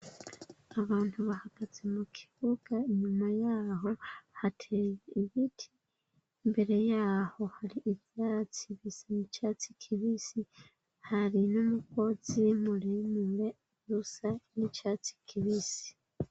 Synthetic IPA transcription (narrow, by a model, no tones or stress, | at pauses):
aβaːntuβahaɡ̥aze̞mukʰi̥βuɡ̥aeɲumajaːho̞hatʰejeiβitʰi | mbe̞ɾe̞jaːho̞haɾiʔiβjaːt͡siβisanicaːt͡si̥kʰiβisi | haɾinomuko̞z̥imuɾimule | zusanicaːt͡si̥kʰiβisi̥